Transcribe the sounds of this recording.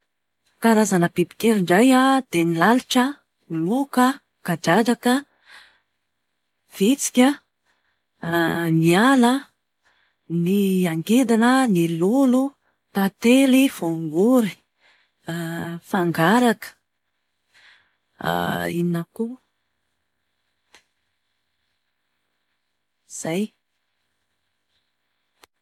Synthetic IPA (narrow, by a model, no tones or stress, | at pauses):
kaɾazanəbibi̥keɾiɳɖ͡ʐajad̪enilaluʈ͡ʂə | lukə | kad͡ʒad͡ʒakə | v̥it͡si̥kʲə | mialə | niaŋɡed̪anənilulu | t̪at̪eliv̥uŋɡuɾi̥ | faŋɡaɾakə̥ | ininaku | z̥aj